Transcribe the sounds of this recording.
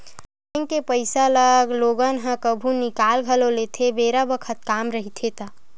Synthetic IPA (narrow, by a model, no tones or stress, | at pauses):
ŋkepəɪsaləɡloɡənɦə̃kəbʱũnikalɡʱəlolet̪ʰebeɾabəkʰət̪̚kamɾəɦit̪ʰet̪a